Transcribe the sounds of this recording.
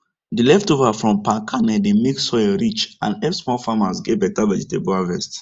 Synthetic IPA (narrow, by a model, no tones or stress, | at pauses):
dilɛftovafɹɔ̃mpãkʰanɛdemeksɔjɔɹit͡ʃã̰nɛsmɔfamasɡɛbɛtavɛd͡ʒitebɔavɛst